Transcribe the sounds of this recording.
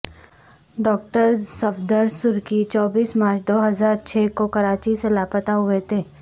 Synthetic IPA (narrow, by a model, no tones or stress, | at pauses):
ɖɔːk̚ʈəɾsəfd̪əɾsʊɾkit͡ʃɔːbiːsmaːɾt͡ʃd̪oːɦɐzaːɾt͡ʃʰeːkokɐɾaːt͡ʃiselaːpət̪aɦʊet̪ʰeː